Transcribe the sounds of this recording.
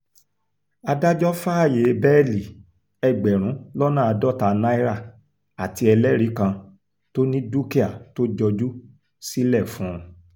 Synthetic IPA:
a˧da˦d͡ʒɔ˦fa˦a˦˨je˨˦bɛ˦˨li˨ | ɛ˨ɡ͡bɛ˨ɾ̃ũ˨˦lɔ˦nã˦˨a˧dɔ˦ta˧na˦i˦ɾa˦˨ | a˨ti˧ɛ˧lɛ˦ɾi˨˦kã˧ | to˦nĩ˦du˦ki˦a˨to˦d͡ʒɔ˧d͡ʒu˦ | si˦lɛ˦˨fũ˨˦ɾ̃

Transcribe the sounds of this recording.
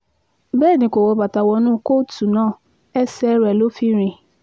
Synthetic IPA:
bɛː˦˨nĩ˧˦ko˨wɔ˧ba˨ta˨wɔ˧nũ˦˨ko˦˨tu˨nãː˦˨ | ɛ˦sɛ˦ɾɛ˨lo˦fi˦ɾ̃ĩ˨

